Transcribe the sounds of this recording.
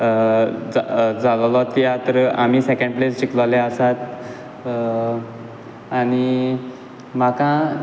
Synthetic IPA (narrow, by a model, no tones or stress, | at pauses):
d͡zad͡zallɔt̪ijat̪ɾəam̤iːsekẽɳɖplest͡ɕikləleəsat̪ | añi | makã